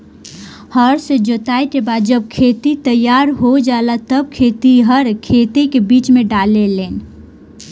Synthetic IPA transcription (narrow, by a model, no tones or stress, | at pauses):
həɾsẽd͡ʒot̪ait̪ebad͡ʒəb̚kʰet̪it̪əjaɾɦod͡ʒalat̪əb̚kʰet̪iɦəɾkʰet̪ekebit͡ʃmeɖalelen